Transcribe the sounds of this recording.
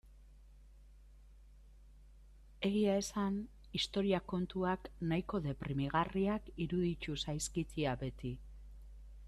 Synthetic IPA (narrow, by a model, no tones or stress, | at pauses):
e̞ɣ̞iae̞san | ist̪o̞ɾiako̞nt̪uaknajko̞ðe̞pɾimiɣ̞ariakiɾuðit͡ʃ̪usajskit̪iabe̞t̪i